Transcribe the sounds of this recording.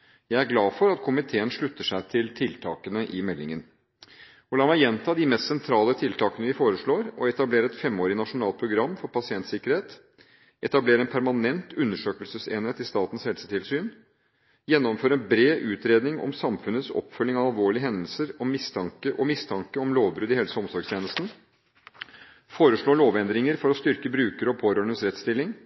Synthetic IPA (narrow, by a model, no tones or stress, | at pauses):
jæɪæɾɡlɑːfɔɾɑt̪kʰʊmɪt̪ʰeːənʂɭʉt̪ːəʂæɪt̪ʰɪlt̪ʰɪlt̪ʰɑ̰ːkənəʔɪmɛlːɪ̰ŋən | ɔlɑːmæɪjɛnt̪ʰɑːd̪ɪmɛst̪sɛnt̪ʰɾɑːlət̪ʰɪlt̪ʰɑːkənəʋɪfoːɾəʂɭoːɾɔɛt̪ɑbleːɾəɛt̪fɛmːoːɾɪənɑʂʊnɑːl̚pʰɾʊɡɾɑmːfɔɾpʰɑsɪɛnt̪sɪkəɾheːt̪ | ʔɛt̪ɑbleːɾəɛːnpʰæɾmɑnɛnt̪ʉnːəʂøːkəlsəsḛːnheːt̪ɪst̪ɑːt̪n̩shɛlsət̪ʰɪlsyːn | jɛnːɔmføːɾəɛnbɾeːʔʉːt̪ɾeːd̪nɪŋɔ̰msɑmfʉnət̪sɔ̰pːfœlːɪŋɑɑlʋoːɭɪəɦɛnd̪əl̩səɾɔmɪst̪ʰɑŋkəʔɔmɪst̪ʰɑŋkəɔmloːʋbɾʉːd̪ɪheːləsɔmsɔɾɡst̪ʰjeːnəst̪n̩ | foːɾəʂɭoːɭoːʋɛnd̪ɾɪŋəɾfɔɾɔst̪ʏɾkəbɾʉːkəɾɔpʰoːɾøːɳənsɾɛt̪st̪ɪlːɪŋ